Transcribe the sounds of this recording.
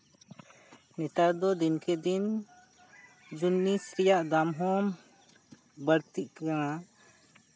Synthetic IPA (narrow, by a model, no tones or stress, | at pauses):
nɛt̪aɾd̪ɔd̪inkɛd̪in | d͡ʒunːisɾɛjaʔd̪amɦɔm | bəɾt̪iʔ̚kaŋa